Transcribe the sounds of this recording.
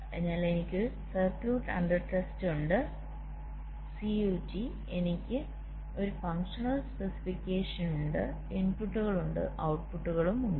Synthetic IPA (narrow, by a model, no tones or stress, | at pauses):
ḛɲːaːle̞nikʲːɨ | sɐrkluːʈːɐ̰ɳɖɐrʈestuɳɖɨ | siuːti | e̞nikʲːɨ | o̞ɾufɐŋkʂɐnɐlspesi̥fikʲːeːʂɐnuɳɖɨ | inpuʈːuɣɐɭuɳɖɨ̰ʔɐwʈ̚puʈːuɣɐɭumuɳɖɨ